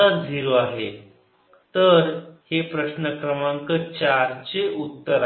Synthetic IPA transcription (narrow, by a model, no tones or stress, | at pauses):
əɾd͡zʱiɾoaɦḛ | t̪əɾhepɾəɕnəkɾəmãŋkət͡ɕaɾt͡ɕeut̪ːəɾa